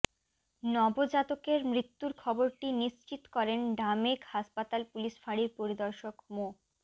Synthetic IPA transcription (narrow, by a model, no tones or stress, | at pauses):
nɔbod͡ʑat̪okeɾmɾit̪ːuɾkʰɔboɾʈiniʃt͡ɕit̪kɔɾenɖamekhaʃpat̪alpuliʃfaɽiɾpoɾid̪ɔɾʃokmo